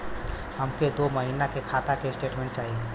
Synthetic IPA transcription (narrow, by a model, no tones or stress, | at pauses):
həmked̪oməɦinakekʰat̪akesʈeʈmẽɳʈ̚t͡ʃaɦiɛ